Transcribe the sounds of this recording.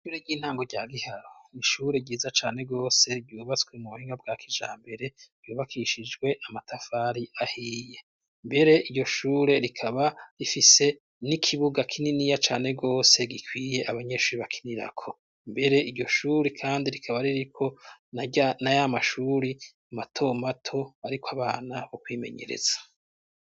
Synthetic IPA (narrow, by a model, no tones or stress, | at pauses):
ʃuːɾeɡiːn̥haːŋɡo̞ɟaːɡihaɾoniʃuːɾeɟiːzat͡ʃa̰ːne̞ɡo̞ːse̞ɡɟjuːβat͡sweumuuhiːŋɡab̚ɡaːkʰiʒa̰ːmbe̞ɾe̞b̥ɟjuːβakʰiʃid͡ʒɡwe̞ʔamatʰafaːɾiahiːje̞ | mbe̞ɾe̞iɾɟo̞ʃuːɾe̞ɾikʰaβaɾifise̞ | nikʰiβuɡakʰininijat͡ʃaːne̞ɡo̞ːse̞ɡikʰwiːje̞ʔaβaɲe̞ʃuːɾiβakʰi̥niɾa̰kʰo̞ | mbe̞ɾe̞iɾɟo̞ʃuːɾekʰaːndiɾikʰaβaɾiɾikʰo̞ | najamaʃuːɾi | amatʰo̞matʰo̞aɾikʰaβaːnaβokwiːme̞̰ɲe̞̰ɾḛz̥ḁ